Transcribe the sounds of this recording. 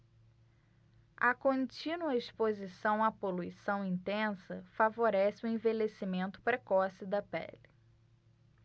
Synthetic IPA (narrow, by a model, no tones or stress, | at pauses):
ɐkõt͡ʃĩnuɐispozisɐ̃w̃apoluisɐ̃w̃ĩnt̪ẽsɐfavoɾɛsɪʊẽvelesimẽnt̪ʊ̥pɾekɔsɪd̪ɐpɛ̰lɪ